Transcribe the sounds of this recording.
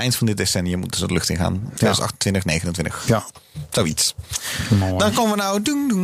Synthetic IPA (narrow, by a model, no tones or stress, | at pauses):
ʔɛjntfɑndɪt̚desɛnijəmutdsədəlʏxtɪnχa̰ːnːdːzntʔɑχtəntʋɪntəχnejɣənəntʋɪntəx | z̥owits | dɑnkoəʋənawduŋdu